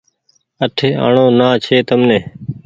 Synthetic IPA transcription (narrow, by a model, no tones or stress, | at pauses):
əʈʰeːa̰ːɳoːnãːt͡ʃʰeːt̪əmnẽː